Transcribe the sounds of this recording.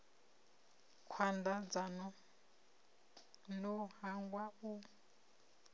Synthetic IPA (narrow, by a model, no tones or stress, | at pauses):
kʰwandad͡zanɔ | nɔhaŋɡwau